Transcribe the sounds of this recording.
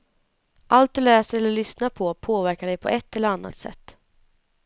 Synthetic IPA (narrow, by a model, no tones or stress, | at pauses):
ʔalt̪̚d̪ɵlɛːsəɾɛlːəɭʏsnaɾpʰɔpʰoːvæɾkaɖɛjpʰɔ̰ʔɛt̪ːɛlːəɾanːa̰t̪sɛ̰t̪ː